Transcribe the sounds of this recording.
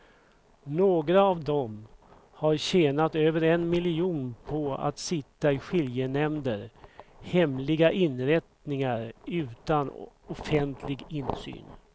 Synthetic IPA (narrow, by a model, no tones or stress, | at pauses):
noːɡɾaːvd̪ɔm | haɾɕeːnat̪øːvəɾɛnmɪlɪuːnpʰɔa̰t̪sɪt̪ːaɪɧɪljənɛmd̪əɾhɛmlɪɡaʔɪnɾɛt̪nɪŋaɾʉ̟ːt̪anɔfɛnt̪ʰlɪɡɪnsy̰ːn